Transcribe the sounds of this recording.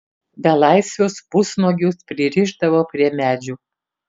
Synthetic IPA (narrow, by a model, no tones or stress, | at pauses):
bʲɛlˠɑˑɪsʲʋʲospʊsnoːɡʲʊspʲɾʲɪɾʲiʒd̪ɐʋoːpʲɾʲiɛmʲæːd͡ʒʲu